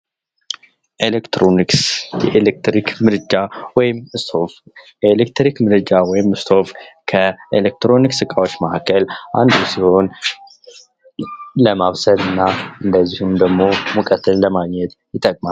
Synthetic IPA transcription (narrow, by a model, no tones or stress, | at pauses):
ʔelekt̪ɾoniksjɛʔelek̚t̪ɾikmɨɾɨd͡ʒawɔjɪmɨst̪ʰo̞fjɛelekt̪ɾikmɨɾɨd͡ʒawɔjɪmɨst̪ʰo̞fkʰəelek̚t̪ɾo̞niksɨkʼawot͡ʃːmahakʰːəlʔa̰nd̪usiho̞n | ləmaβsəd̪ɨnːaʔɨnd̪əzːihumd̪əɡmo̞məkʼət̪ːɨlləmaɡɲɛt̪ | jɪt̪ʼːəkʼmal